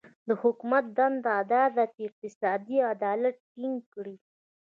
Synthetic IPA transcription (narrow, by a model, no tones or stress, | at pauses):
d̪əhʊkumat̪̚d̪and̪ad̪ɑd̪at̪ɪq̚t̪ɪsɑd̪iad̪ɑlat̪̚ːiŋɡkɽi